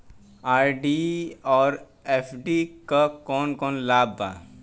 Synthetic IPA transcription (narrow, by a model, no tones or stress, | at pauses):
aːɾɖiɔːɾ | eːfʰɖikakɔːnkɔːnlaːbːa̰ː